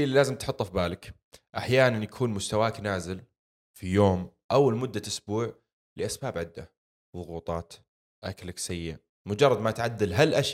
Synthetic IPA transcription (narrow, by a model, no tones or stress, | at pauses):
ʔɪlːilaːzɪmt̪ħʊt̪ˤːafbaːlɪk | ʔaħjaːnanjakʰuːnmʊst̪awaːknaːzɪl | fijoːmʔawːalmʊd̪ːaʔʊsbuːʕ | lɪʔasbaːbʕɪd̪ːa̰ | ðˤʊɣuːt̪ˤɑːt̪ | ʔaklaksajːɪ | mʊd͡ʒɑrˤːɑd̪mat̪ʕad̪ːalɦalʔaʃ